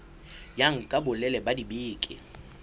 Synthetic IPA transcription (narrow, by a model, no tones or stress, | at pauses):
jaŋ̩kʼabʊlɛlɛbadibiːkʼɪ̰